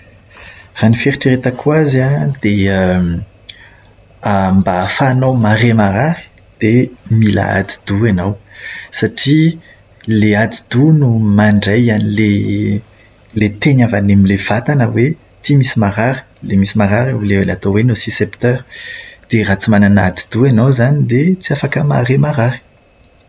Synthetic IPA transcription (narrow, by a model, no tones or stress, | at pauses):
ranifeɾiʈ͡ʂiɾet̪əkʰwazad̪̥e | ambafaːnawmaɾemaɾaɾi̥d̪̥emila̰a̰d̪i̥d̪uanawsaʈ͡ʂi | lead̪id̪unumaɳɖ͡ʐajanile | let̪eɲavanemilev̥at̪anəwe | t̪imisimaɾaɾi̥lemisimaɾaɾlelḛat̪owenusisept̪œɾd̪̥erat͡simanana̰d̪id̪̥uanawzanid̪et͡siafakəma̰ɾemaɾaɾi̥